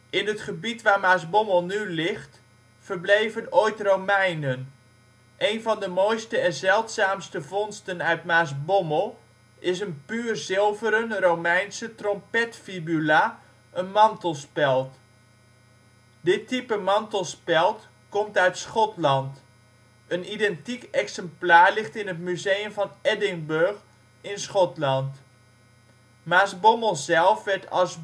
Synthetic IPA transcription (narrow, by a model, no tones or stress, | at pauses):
ɪnətχəbitʋaːɹmaːsbɔməlˠnylɪχt | fərblejvənojtrowmɛjnən | ʔejnvɑndəmojstəɛnzɛlˠtsaːmstəvɔnstənœɥtmaːs̬bɔməlˠ | ʔɪs̬ənpyːrzɪlˠvəɾənrowmɛjnsətrɔmpɛtfibyla | ʔənmɑntl̩ˠspɛlˠt | dɪtːipəmɑntl̩ˠspɛlˠt | kɔmtœɥtsχɔtlɑnt | ənidɛntikɛksɛmplaːɹlɪχtɪnətmyzejəmvɑnɛdɪŋbørχ | ɪnsχɔtlɑnt | maːsbɔməlˠzɛlˠfʋɛɹtʰɑlˠs